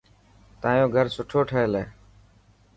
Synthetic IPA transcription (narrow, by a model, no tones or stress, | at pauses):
t̪ãːjõːɡʱəɾsʊʈʰoːʈʰəeːleː